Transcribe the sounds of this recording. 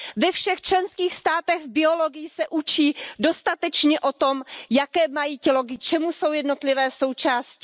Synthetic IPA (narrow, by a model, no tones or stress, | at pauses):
vɛfʃɛxt͡ʃlɛnskiːxst̪aːt̪ɛɣvbɪo̞lo̞ɡɪjisɛʔut͡ʃiːdo̞st̪at̪ɛt͡ʃɲɛʔo̞t̪o̞mjakɛːmajiːcɛlo̞ɡɪt͡ʃɛmuso̞wjɛdno̞t̪lɪvɛːso̞wt͡ʃaːscɪ̥